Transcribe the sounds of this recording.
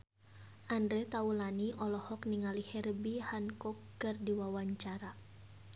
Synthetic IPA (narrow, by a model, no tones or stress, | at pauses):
ʔandɾɛt̪aulaniʔɔlɔhɔkniŋalihɛrbihankɔkː | ɨrdiwawaɲt͡ʃaɾa